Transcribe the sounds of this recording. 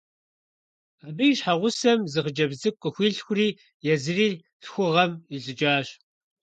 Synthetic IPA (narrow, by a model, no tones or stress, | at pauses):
abɨjɪɕħaʁʷʊsɐmzɨχəd͡ʒɐbzɨkʷʼːəxʷiːɬxʷʊriː | jɛzɨriː | ɬxʷʊʁɐmiɮʼɨd͡ʒaːɕ